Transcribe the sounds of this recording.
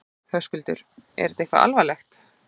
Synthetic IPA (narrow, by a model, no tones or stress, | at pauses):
hœskʏlt̪ʏ̰ɾɛ̰ɾɪt̪ehkva̰ʔa̰lvalɛxt̪